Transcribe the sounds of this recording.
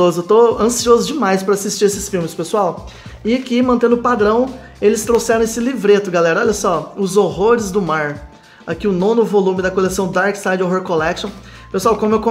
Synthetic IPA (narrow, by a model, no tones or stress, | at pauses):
ozʊewt̪oɐ̃siozʊd͡ʒɪmajspɾɐasist͡ʃiɾesɪsfiwmɪspesuawɪakimɐ̃nt̪ẽnd̪ʊpad̪ɾɐ̃w̃ | elɪst̪ɾosɛɾɐ̃w̃esɪlivɾet̪ʊɡalɛɾɐɔʎʲjɐsɔʊzoɦoɾɪzd̪ʊmaɾ | akiʊnõnʊvolũmɪd̪ɐkolesɐ̃w̃d̪aɾksajd͡ʒoɦoɾkolɛkʃõ | pesuawkõmʊewkõ